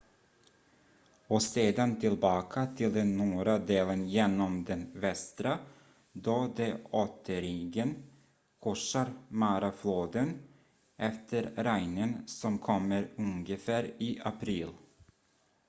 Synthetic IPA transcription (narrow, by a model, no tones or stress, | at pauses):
ɔseːd̪ant̪ʰɪlbɑːkʰat̪ʰɪld̪ɛnːuːɾad̪eːlənjeːnːɔmd̪ɛnvɛst̪ɾa | d̪od̪ɛot̪ʰːəɾiːɡən | kʰɔʂaɾmaɾafloːd̪ən | ʔɛft̪ʰəɾɾæjnənsɔmkʰɔmːəɾɵŋɡəfæːɾiːʔapʰɾiːl